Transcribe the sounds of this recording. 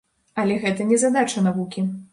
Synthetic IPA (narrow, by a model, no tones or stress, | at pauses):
ɐlʲɛɣɛt̪ɐnʲɛzad̪at͡ʂɐnavukʲi